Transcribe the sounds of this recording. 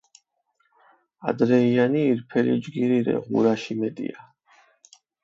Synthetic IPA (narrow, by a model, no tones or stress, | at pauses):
a̰d̪ɾɛianiːɾpʰɛlḭd͡ʒɡiɾiɾɛ̰ʁṵɾaʃimɛt̪ʼḭa